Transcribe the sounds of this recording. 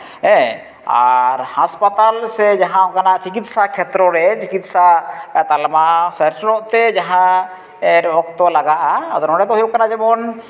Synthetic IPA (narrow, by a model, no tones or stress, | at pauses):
ɛ̃ | a̰ɾhaspat̪alsɛd͡ʒaɦãɔkanaʔt͡ʃikit̪̚sakʰɛt̪ɾɔɾɛt͡ʃikit̪̚sat̪almasɛɾsɾɔʔt̪ɛd͡ʒaɦã | ɛɾɔɔkt̪ɔlaɡaʔa̰d̪ɔnɔɖɛt̪ɔɦujuʔkanad͡ʒɛbɔn